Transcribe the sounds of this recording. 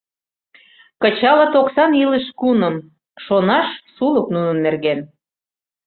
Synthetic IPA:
kət͡ɕɑlɤ̆t̪oksɑniləʃkunəm | ʃonɑʃsuləknunə̆nːerɣen

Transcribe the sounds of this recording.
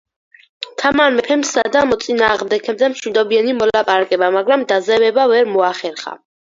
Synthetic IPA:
t̪ʰamanmɛpʰɛmsad̪amɔt̪sʼinaːʁmd̪ɛkʰɛmd̪amʃwid̪ɔbianimɔlapʼaɾakʼɛbamaɡɾamd̪azɛvɛbavɛɾmɔaχɛɾχa̰

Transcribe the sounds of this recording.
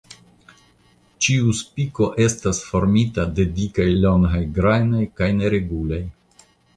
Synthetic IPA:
t͡ʃiuspiko̞ʔe̞stasfo̞ɾmitade̞dikajloŋɦajɡɾajnojkajne̞ɾe̞ɡulaj

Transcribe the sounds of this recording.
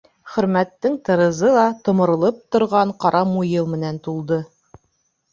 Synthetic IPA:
χɵ̆ɾmæt̪ːɘŋt̪ɤ̆ɾɤ̆zɤlˠɑt̪ŏmɤ̆ɾɤ̆lˠɤp̚t̪ŏɾʁɑɴqɑɾʔɑmujɤlˠmɘ̆nænt̪ulˠd̪ɤ

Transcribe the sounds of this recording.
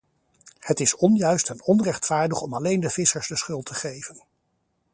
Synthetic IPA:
hətɪsɔnjœɥstɛnɔnrɛχtfaːɹdəχɔmɑlejndəvɪsəɹzdəsχɵlˠtʰəχejvən

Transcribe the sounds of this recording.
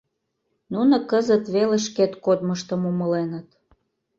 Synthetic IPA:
nunə̆kəzə̆t̪βeleʃ̬ket̪kod̪məʃt̪ə̆muməlenə̆t̪

